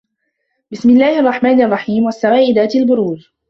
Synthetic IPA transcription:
bɪsmɪlːaːhʔɑrˤːɑħmaːnʔɑrˤːɑħiːmwasːawaːʔɪd̪aːt̪albʊɾuːz

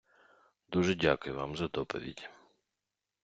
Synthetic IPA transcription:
d̪uʒɛdʲakʊjʊʋɑ̰mzɐd̪ɔpɔ̰ʋʲḭdʲ

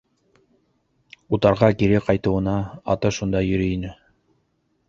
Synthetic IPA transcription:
ut̪ɑɾʁɑkiɾɘqɑjt̪ɤ̆wɤ̆nɑ̰ːt̪ɤʃund̪ɑjɵ̆ɾɘinɘ

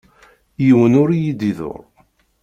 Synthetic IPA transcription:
jiwənʊɾjid̪iðo̰ɾˤ

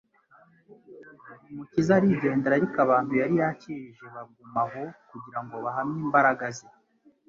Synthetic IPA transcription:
umucizaɾiɟe̞ːndeɾaɾikaβaːn̥hujaɾijaciʒe̞βaɡumaɦo̞kuɟiɾaŋɡo̞βaɦamɲiːmbaɾaɡazi

